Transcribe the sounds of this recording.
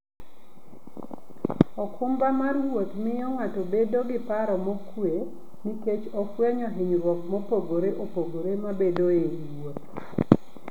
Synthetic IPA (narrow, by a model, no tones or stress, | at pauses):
ɔkʰʊmbamarwot̪mɪjɔŋatobedoɡɪpaɾɔmɔkwe | niket͡ʃɔfwɛɲɔɦɪɲrwɔk̚mɔpoɡoɾeʔopoɡoɾemabedoeiwot̪̚